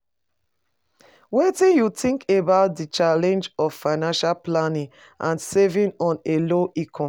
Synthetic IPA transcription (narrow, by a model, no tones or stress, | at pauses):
wetĩnjutĩŋkʰebaʊt̚dit͡ʃalɛ̃nd͡ʒɔvfaɪnãnʃalplanĩŋ | ʔãnsɛvĩnɔ̃neloʔikʰɔ̃